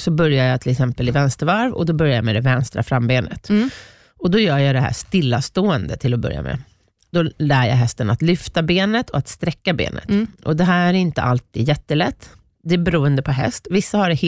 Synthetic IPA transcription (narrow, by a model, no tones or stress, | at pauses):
sɔbœɾjajɑt̪ʰɪlɛksɛmpəlɪvɛnst̪əɾvaɾvɔ̰d̪ɔbœɾjajmɛd̪ɛvɛnst̪ɾa̰fɾamːbeːnə̰t̪ | ɔd̪ɔjœːjɑd̪ɛɦæ̰ːʂt̪ɪlːast̪oːɛnd̪ət̪ʰɪlɔbœ̰ɾja̰mɛ̰ | d̪̥ɔlæːjɑ̰ɦɛst̪ənat̪lʏft̪abeːnət̪ʰɔat̪st̪ɾɛkːabḛːnə̰t̪ʔɔd̪ɛɦæːɾæɾɪnt̪ə̰ʔalt̪ʰḭːd̪jɛt̪ːəlɛt̪ː | d̪ɛæbɛɾuːənd̪əpʰɔɦɛ̰st̪vɪsːahaɖɛh